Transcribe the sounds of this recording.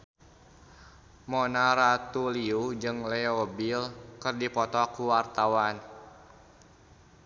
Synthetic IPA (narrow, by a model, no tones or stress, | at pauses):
mɔnaɾat̪uliud͡ʒɨŋlɛobilkɨrdipɔt̪ɔkuwart̪awan